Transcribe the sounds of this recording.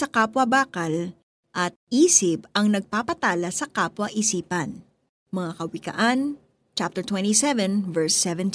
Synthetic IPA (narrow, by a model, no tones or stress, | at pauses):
sɐkaːpwɐbaːkɐl | ʔɐt̪̚ʔiːsɪp̚ɐŋnɐɡ̚paːpɐt̪aːlɐsɐkaːpwɐʔɪsiːpɐn | mɐŋakɐwɪkɐ̰ʔan | t͡ʃap̚t̪ɛɹt̪wɛ̃nt̪isɛvɛ̃nvɛɹsːɛvɛnt̪